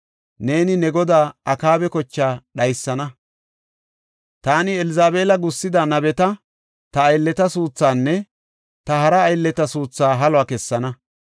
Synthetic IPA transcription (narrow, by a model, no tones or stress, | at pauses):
ne̞ːnɪnɛɡɔd̪aːʔɐkaːbɛkɔt͡ʃːaːɗɐjsːɐnɐ | t̪aːnɪɛlɪzaːbe̞ːlɐɡʊsːɪd̪anɐbɛt̪ɐ | t̪ɐːjlːɛt̪ɐsuːt͡sːaːnːɛ | t̪ɐɦɐɾɐːjlːɛt̪ɐsuːt͡sːaːɦɐlwaːkɛsːɐnɐ